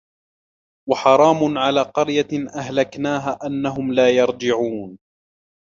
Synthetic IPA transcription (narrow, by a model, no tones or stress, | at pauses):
waħɑɾˤɑːmʊnʕalaːqɑɾjaʔaɦlaknaːɦaːʔanːaɦʊmlaːjɑɾˤd͡ʒɪʕuːn